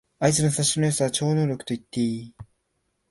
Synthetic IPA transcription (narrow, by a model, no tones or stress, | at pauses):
ait͡sɨnosaɕinojosaβat͡ɕo̞ːno̞ːɾʲo̞kɯ̟t̪o̞it̪ːe̞iː